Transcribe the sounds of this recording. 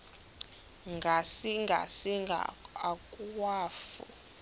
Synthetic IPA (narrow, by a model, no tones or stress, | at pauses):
ŋɡʱasiŋɡʱa̰siŋɡʱa̰akʼuwaːfṵ